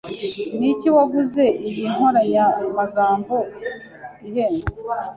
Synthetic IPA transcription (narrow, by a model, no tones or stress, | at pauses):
niciwaɡuze̞ʔiβiŋ̥ho̞ɾaɲammaɡaːmbo̞ | iheːnze